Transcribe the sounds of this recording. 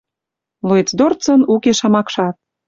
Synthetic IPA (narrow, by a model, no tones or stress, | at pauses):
luet͡sd̪ort͡sə̆nukeʃɑmɑkʃɑt̪̚